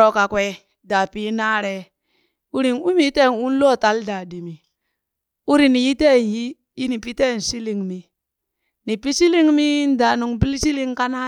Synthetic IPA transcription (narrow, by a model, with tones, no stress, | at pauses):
o˨ka˨kwʷe˦ | da˨pi˦na˦ɾe˦ | u˦ɾi˨nu˦mi˦te˦˨nu˦n˦lo˦˨ta˨˦lda˨di˨mi˨ | u˦ɾi˨ni˨ji˦te˦˨n˨ji˦ | ji˦ni˨pi˦te˦˨n̩˨si˦li˨ŋmi˨ | ni˨pi˦si˦li˦ŋmi˦n˦da˨nu˨ŋbi˦lsi˦li˦ŋka˦na˦